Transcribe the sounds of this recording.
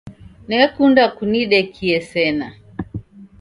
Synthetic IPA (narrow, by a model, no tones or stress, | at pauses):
nɛkundakuniɗɛkʰiɛsɛna